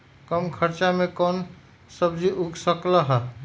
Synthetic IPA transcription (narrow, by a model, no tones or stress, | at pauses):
kəmkʰəɾt͡ʃamekɔn | səbd͡ʒiʔuɡsəkləɦə